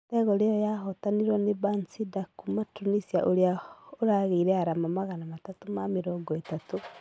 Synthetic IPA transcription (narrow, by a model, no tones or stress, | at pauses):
tɛɣɔlejɔjaɦotaniɾwɔnebansidakumatunisiaʔoɾeaoɾaɣeɾɛaɾamamaɣanamatatumamiɾɔːɡɔetatu